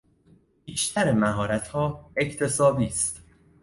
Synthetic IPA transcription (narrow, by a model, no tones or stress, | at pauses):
biːʃt̪ʰæɾemæɦɒːɾæt̪ʰhɒːecʰt̪ʰe̞sɒːbiːst̪